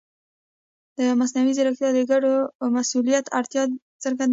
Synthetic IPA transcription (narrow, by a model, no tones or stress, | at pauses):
d̪̥əmasnawizɪɾakt̪jɑd̪əɡaɖomasulijat̪ʰaɾt̪jɑ | təɾɡan